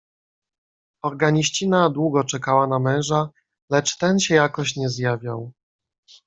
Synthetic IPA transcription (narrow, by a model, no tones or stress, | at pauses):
ɔɾɡaɲiɕt͡ɕinad̪wuɡɔt͡ʂɛkawanamɛ̃ʐa | lɛt͡ʂt̪ɛnɕɛjakɔɕɲɛzjavʲjaw